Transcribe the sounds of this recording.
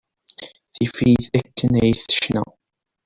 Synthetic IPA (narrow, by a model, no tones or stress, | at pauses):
θifiðækːənʕiθə̥ʃnæ̰